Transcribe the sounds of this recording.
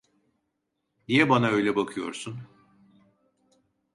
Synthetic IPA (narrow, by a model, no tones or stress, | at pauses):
nijɛbanaø̞jlʲɛbakʰɯjo̞̰ɾsun